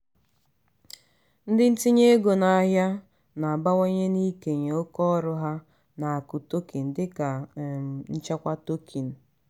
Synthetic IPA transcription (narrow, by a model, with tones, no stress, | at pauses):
n̩˦dɪ˦n̩˦ti˦ɲe˦ɡo˨na˨a˨ɦja˦ | na˨a˨ba˦ŋo˦ɲe˦ni˦ke˨ɲe˨o˦kɔ˦ɾʊ˦ɦa˦ | na˨a˨kʊ˨to˦ki˨n̩˨dɪ˦ka˨ | n̩˦t͡ʃa˦kʷa˦to˦kʰi˨n̩˨